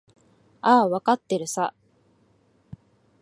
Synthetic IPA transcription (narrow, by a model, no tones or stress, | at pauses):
aβakat̪ːe̞ɾɯ̟sa